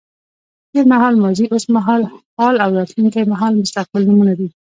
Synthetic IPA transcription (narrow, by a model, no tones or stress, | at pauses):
t̪eɾmaɦɑlmɑziʔosmaɦɑlhɑlawɾɑt̪luŋkajmaɦɑlmʊst̪aq̚bɪlnumunad̪i